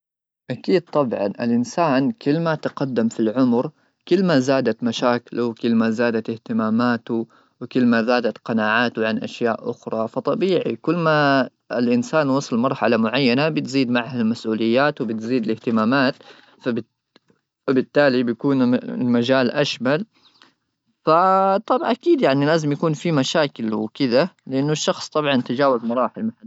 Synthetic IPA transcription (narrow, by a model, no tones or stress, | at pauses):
ʔakiːd̪̚t̪ˤɑbʕɑ̰nʔɪ̰lʔɪnsaːnkɪlːmat̪aqad̪ːamfilʕʊmɾ | kɪlːmazaːd̪at̪maʃaːklwkɪlːmazaːd̪at̪ɪht̪ɪmaːmaːt̪ʊ | wɪkɪlːmazaːd̪at̪qɑnaːʕaːt̪ʊʕanʔa̰ʃjaːʔʔʊxɾˤɑfɑt̪ˤɑbiːʕikʊlːma | ɪlʔɪnsaːnwɑsˤɑlmɑɾˤħalamʊʕajːanabɪt̪ziːd̪maʕhalmasʔuːlɪjːaːt̪wɪbɪt̪ziːd̪ɪlɪht̪ɪmaːmaːt̪ | fab | abɪt̪ːaːlibjkuːn̰lmad͡ʒaːlʔaʃmal | fat̪ˤɑbʔakiːd̪jaʕnilaːzɪmjakuːnfimaʃaːkɪlwɪkɪðalɪʔanːʊʃːɑxsˤt̪ˤɑbʕɑnʔat̪ad͡ʒaːwazmʊɾˤɑːħɪlmaħa